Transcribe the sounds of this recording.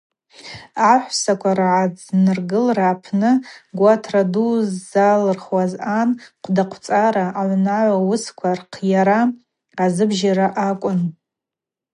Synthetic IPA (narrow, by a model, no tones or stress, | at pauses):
aħʷsakʷʰarʕad͡znɨrɡɨlrapʰnɨɡʷatʰraduzːalɨrχwazanqʷʰdaqʷʰt͡sʼaɾaʔːʕʷnaʕʷawʊskʷʰarqʰjaɾa | azɨbʒaɾaʔakʷʼʊn